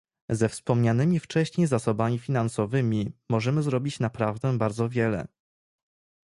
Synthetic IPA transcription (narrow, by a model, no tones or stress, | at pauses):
zɛfspɔmɲanɘmʲift͡ʂɛɕɲejzasɔbamʲifʲin̪ansɔvɘmʲimɔʐɛmɘzɾɔbʲit͡ɕnapɾavd̪ɛbaɾd̪zɔvʲjɛlɛ̰